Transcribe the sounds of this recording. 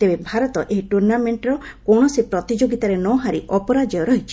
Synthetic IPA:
t̪ebebʱaɾɔt̪ɔʔeɦiʈuɾnameɳʈɾɔkɔɳ̃ɔsipɾɔt̪id͡ʒoɡit̪aɾenɔɦaɾiʔɔpɔɾad͡ʒɔjɔɾɔɦit͡ʃʰi̥

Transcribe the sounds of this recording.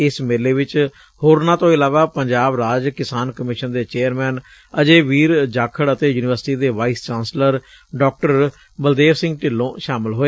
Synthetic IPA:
ɪsmeːleːʋɪt͡ʃ | hoːɾnãːt̪õːɪlaːʋaːpəɲd͡ʒaːbɾaːd͡ʒkɪsaːnkəmɪʃənd̪eːt͡ʃeːəɾmɛːn | əd͡ʒeːʋiːɾd͡ʒaːkʰəɽət̪eːjuːnɪʋəɾsʈiːd̪eːʋaːiːst͡ʃaːnsləɾ | ɖɔːk̚ʈəɾ | bəld̪eːʋsɪ̃ŋɡʈɪlːõːʃaːmɪlɦoːeː

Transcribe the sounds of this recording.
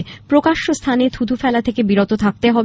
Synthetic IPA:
pɾokaʃːost̪ʰanet̪ʰud̪ʰʱufɛlat̪ʰekebiɾot̪ot̪ʰak̚t̪eɦɔb

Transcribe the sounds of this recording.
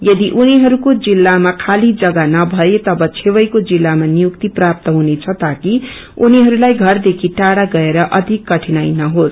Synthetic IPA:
jʌd̪iʔuniɦʌɾukod͡zilːamakʰalid͡zʌɡanʌbʱʌet̪ʌbʌt͡sʰewʌjkod͡zilːamanijukt̪iprap̚t̪ʌɦunet͡sʰʌt̪aki | uniɦʌɾulajɡʱʌrd̪ekʰiʈaɽaɡʌeɾʌʔʌd̪ʱikːʌʈʰinajnʌɦos

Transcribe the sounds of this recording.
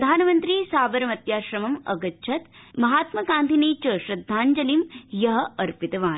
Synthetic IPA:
d̪ʱaːnɐmɐnt̪ɾiːsaːʋɐɾɐmɐt̪jaːʃɾɐmɐmɐɡɐtːt͡ʃʰɐt̪mɐɦaːt̪mɐɡaːnt̪ʰineːt͡ʃɐʃɾɐd̪ʱːaːɲd͡ʒɐlimjɐɦɐ̆ɐɾpit̪ɐʋaːn

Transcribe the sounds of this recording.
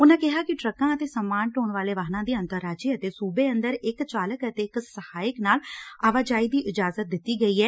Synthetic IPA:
ʊnãːkɪɦaːkɪʈɾəkãːət̪eːsəmaːnʈoːɳʋaːleːʋəɦnãːd̪iːə̃nt̪əɾːaːd͡ʒiət̪eːsuːbeːənd̪əɾɪkt͡ʃaːləkət̪eːɪksəhaːjəknaːlaːʋaːd͡ʒaːiːd̪iːʔɪd͡ʒaːzət̪̚d̪ɪt̪ːiːɡəiːɦɛː

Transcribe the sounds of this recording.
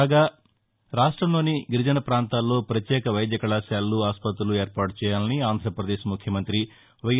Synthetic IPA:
ɡaː | ɾaːʂʈɾɐmlo̞ːniɡiɾud͡ʒɐnɐpɾaːnt̪aːlːo̞ːpɾɐt̪jɛːkɐʋɐjd̪jɐkɐɭaːʃjaːlːuaːspɐt̪̬ɾulue̞ːɾpaːʈut͡ʃɛːjaːlɐniaːnd̪ʱɾɐpɾɐd̪eːʃimukʰjɐmɐnt̪ɾi | ʋɐj

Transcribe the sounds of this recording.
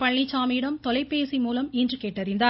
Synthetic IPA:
pɐɭːit͡ʃːaːmiɽɐmt̪ɔlɐɪpːeːsimuːlɐmɪndrɯkeːʈːɐɾɪnd̪aː

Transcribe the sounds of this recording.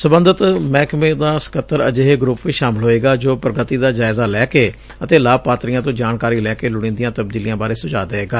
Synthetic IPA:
səbənd̪ət̪mɛːkmẽːd̪aːsə̥kət̪ːəɾə̰d͡ʒeːɦeːɡɾʊpʋiːʃaːmɪlɦoːeːɡaːd͡ʒoːpɾəɡət̪iːd̪aːd͡ʒaːɪzaːlɛːkeː | ət̪eːlaːb̚paːt̪ɾijãːt̪̬õːd͡ʒaːnkaːɾiːlɛːkeːlʊɽ̃ẽːnd̪ijãːt̪əbd̪iːlijãːbaːɾeːsʊd͡ʒaːd̪əeːɡaː

